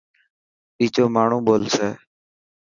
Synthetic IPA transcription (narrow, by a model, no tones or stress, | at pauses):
ɓiːt͡ʃoːmaːɳ̤ũːɓoːlseː